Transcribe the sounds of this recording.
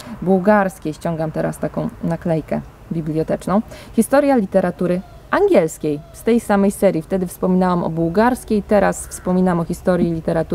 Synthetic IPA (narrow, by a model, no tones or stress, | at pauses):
buwɡaɾskʲejɕt͡ɕɔŋɡamt̪ɛɾa̰st̪akɔ̃w̃naklɛjkɛ | bʲiblʲjɔt̪ɛt͡ʂnɔ̃w̃xʲist̪ɔɾʲjalʲit̪ɛɾat̪uɾɘ | ʔaŋɡʲɛlskʲejst̪ɛjsamɛjsɛɾʲjift̪ɛd̪ɘfspɔmʲinawamɔ̰buwɡaɾskʲejt̪ɛɾasfspɔmʲinamɔxʲist̪ɔɾjilʲit̪ɛɾat̪u